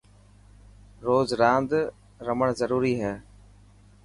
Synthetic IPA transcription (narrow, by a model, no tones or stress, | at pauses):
ɾoːzɾãːnd̪ | ɾəməɽ̃zəɾuːɾiɦɛː